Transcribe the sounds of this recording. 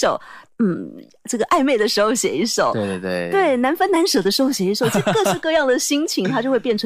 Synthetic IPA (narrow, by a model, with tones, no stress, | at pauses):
ʂo˨˩ʊn̩˥˩ | ʈ͡ʂɤ˥˩ɡə˩ʔa˥˧ɪme˥˩ɪd̪ə˩ʂɻ̩˧˥xo˥˧ʊɕjɛ̰˨˩i˧˥˩ʂo˨˩˦we˥˩t̪we˥˩ɪna˧˥nfə˥nna˧˥nʂɤ˨˩d̪ə˦ʂɻ̩˧˥xo˥˧ʊɕjɛ˨˩i˧˥ʂo˨˩ʊʈ͡ʂɤ˥˧˩ɡə˧ʂ̩˥˧kɤ˥˧jɑ˥˩ŋd̪ə˩ɕi˥ŋt͡ɕʰi˧˥ŋt̪ʰa˥t͡ɕjxwpjɛ˥˩nʈ͡ʂʰə˧˥